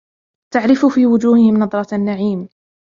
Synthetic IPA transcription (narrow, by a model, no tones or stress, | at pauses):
t̪aʕɾɪfufiːwʊd͡ʒuːhɪhɪmnɑd̪ˤɾˤɑanːaʕiːm